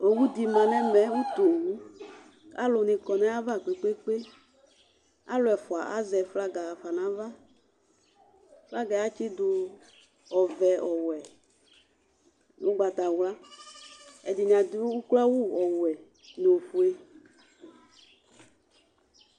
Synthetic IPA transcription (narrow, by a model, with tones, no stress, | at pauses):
o˨wu˦d̪i˨mã˨nɛ˦mɛ˨˦wu˦t̪o˨wu˦ | a̰˦lʊ˨nĩ˨kɔ˨nɛ̃˦a˦va˦˨k͡pe˨k͡pe˦k͡pe˦ | a̰˦lʊ˨ɛ˨fʊ˨a̰˨ʔa̰˦zɛ˨fla˦ɡa˨fa˨nã˨˦va˦ | fla˦ɡa˨a˦t͡ʃi˦d̪ʊ˧ | ɔ˨vɛ˨ɔ˨wɛ˨ | no˦ɡ͡ba˨t̪a˨wla˦ | ɛ̰˨di˨ɲ˨a˨d̪i˦wu˦kla˦wu˦ɔ˨wwɛ˨ | ne˨o˨fu˨e˦